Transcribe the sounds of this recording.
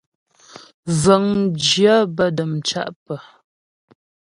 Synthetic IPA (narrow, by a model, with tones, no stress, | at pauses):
zə˨ŋd͡ʒja˦bə˦˨də˨mt͡ʃa̰˦ʔpə˨